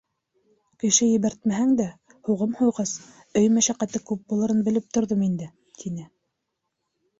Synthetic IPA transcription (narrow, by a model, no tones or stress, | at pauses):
kɘ̆ʃɘjɘ̆βæɾt̪̚mæɦæŋd̪æ | huʁɤmhujʁɑs | ɵjmæʃæqæt̪ɘkʉp̚bulˠɤ̆ɾɤnbɘ̆lɘp̚t̪ŏɾðomind̪ɘ | t̪ʰinɘ